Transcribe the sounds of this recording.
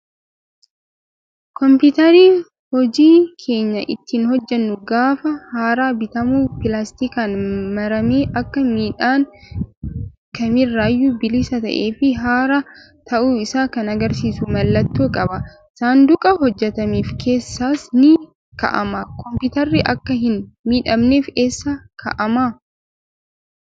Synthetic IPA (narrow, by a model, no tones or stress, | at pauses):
kɔmpɪt̪ɐɾiː | hɔd͡ʒiːkʰe̞ːɲːɐʔɪ̰t̪ːiːnhɔd͡ʒːɛnːʊɡaːfɐhaːɾaːbɪt̪ɐmuːpɪlaːst̪ɪkaːnmɐɾɐmeːʔɐkːɐmiːᶑaːŋ | kɐmɪrːaːjːubɪlɪsɐt̪ɐ̰ʔe̞ːfɪɦaːɾa | t̪ʰɐʔuːɪsaːkɐnɐɡɐɾsiːsʊmɐlːɐt̪ːuːkʼɐbɐ | saːnd̪ʊkʼɐhɔd͡ʒːɛt̪ɐmiːfkʰe̞ːsːaːsnɪ | kɐ̰ʔɐ̰makɔmpʊt̪ɐɾːɪʔɐkːɐɦɪnmiːᶑɐmneːfe̞ːsːakʰɐ̰ʔɐma